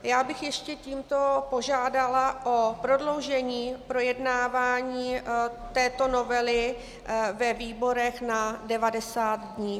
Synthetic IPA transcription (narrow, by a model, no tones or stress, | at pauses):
jaːbɪxjɛʃcɛciːmt̪o̞po̞ʒaːdalaʔopɾo̞dlo̞wʒɛɲiːpɾo̞jɛdnaːvaːɲiːt̪ɛːt̪o̞no̞vɛlɪ | vɛviːbo̞ɾɛxnadɛvadɛsaːt̪dɲiː